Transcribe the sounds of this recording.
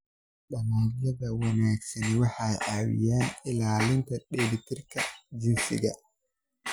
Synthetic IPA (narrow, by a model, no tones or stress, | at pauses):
ɗɐmaːjɐðɐwɑnaːɡsɐnwɑħɑjʕɑːwɪ̰jaːnɪlaːlɪnt̪ʰɐɗɛːɾɪt̪ʰɪrkʰɐd͡ʒɪnsɪ̰ɣɐ